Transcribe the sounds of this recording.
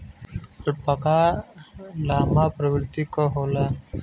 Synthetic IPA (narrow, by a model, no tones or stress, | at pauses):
ɾpəkaː | laːmaːpɾəʋɾt̪ikoɦoːlaː